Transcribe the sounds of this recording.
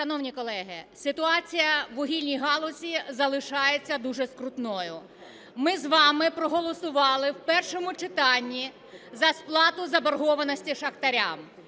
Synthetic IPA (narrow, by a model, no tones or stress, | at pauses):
ʃɐnɔwnʲikɔlˠɛɦɪsɪt̪ʊɑt͡sʲijɐʋɔɦʲilʲnʲijɦɑlˠɔsʲizɐlˠɪʃɑjet͡sʲːɐd̪uʒɛskɾʊt̪nɔjʊ | mɪzʋɑmɪpɾɔɦɔlˠɔsʊʋɑlˠɪwpɛrʃɔmʊt͡ʃɪt̪ɑnʲːi | zɐsplˠɑt̪ʊzɐbɐrɦɔʋɐnɔsʲtʲiʃɐxt̪ɐɾʲa̰m